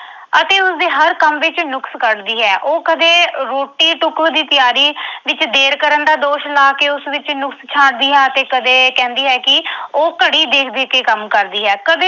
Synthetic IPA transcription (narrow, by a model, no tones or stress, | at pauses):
ət̪eːʊsd̪iːɦəɾkəmʋɪt͡ʃnʊkskəɽd̪iːɦɛːʔoːkəd̪eːɾoːʈiːʈʊkʋd̪iːt̪ɪjaːɾiːʋɪt͡ʃd̪eːɾkəɾənd̪aːd̪oːʃlaːkeːʊsʋɪt͡ʃnʊkst͡ʃʰaːʈd̪iːɦɛːət̪eːkəd̪eːkɛ̃ːnd̪iːɦɛːkɪoːkəɽiːd̪eːkʰd̪eːkeːkəmkəɾd̪iːɦɛːkəd̪e